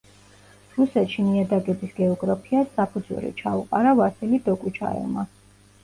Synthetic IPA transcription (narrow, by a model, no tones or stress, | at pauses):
ɾusɛt̪ʃimiad̪aɡɛbisɡɛɔɡɾapʰiasːapʰud̪zṵɾḭt͡ʃʰauqʼaɾavasilid̪ɔkʼut͡ʃʰa̰ɛ̰lˠma